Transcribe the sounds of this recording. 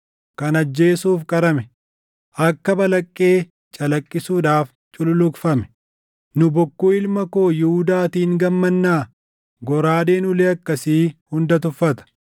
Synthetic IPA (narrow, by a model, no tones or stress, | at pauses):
kɐnɐd͡ʒːe̞ːsuːfkʼɐɾɐmɛ | ʔɐkːɐbɐlɐkʼːe̞ː | t͡ʃʼɐlɐkʼːɪsuːᶑaːf | t͡ʃʼʊlʊlʊkfɐmɛ̥ | nʊbɔkːuːɪlmɐko̞ːjɪhʊd̪aːt̪iːŋɡɐmːɐnːaː | ɡɔɾaːdeːnʊlɛɐkːɐsiːhʊnd̪ɐt̪ʊfːɐt̪ɐ̥